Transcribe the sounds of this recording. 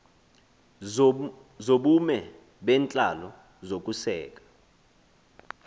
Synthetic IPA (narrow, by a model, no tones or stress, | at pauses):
zoɓumɛ | ɓɛːnt͡ɬʼalɔ | zok̬ʼusɛːk̬ʼḁ